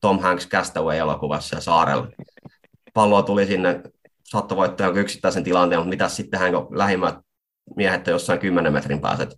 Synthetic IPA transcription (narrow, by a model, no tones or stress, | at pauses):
t̪omhæŋkskæst̪æueelo̰kuʋɑ̰ssɑ̰sɑːɾḛl | pɑlːoːt̪ulisinːe | sɑt̪ːɑʋoit̪ːɑːjokyksi̥t̪ːæˑisent̪ilɑnt̪eːmut̪mit̪æssit̪ːehæŋkolæhimːæt̪̚ | miæhet̪ːɑjosːɑiŋkymːenemmet̪rimpæ̰ːsḛt̪